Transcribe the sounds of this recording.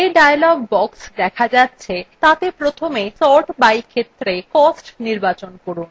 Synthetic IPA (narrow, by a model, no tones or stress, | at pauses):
eɖajalɔɡbɔksd̪ɛkʰad͡ʑatːɕʰet̪at̪epɾot̪ʰomesɔɾʈbajkʰet̪ːɾekɔsʈniɾbat͡ɕonkoɾun